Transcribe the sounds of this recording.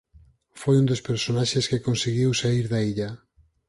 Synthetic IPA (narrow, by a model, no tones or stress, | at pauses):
fojund̪ospeɾsonaʃeskekonseɣiwsaiɾðaiʎa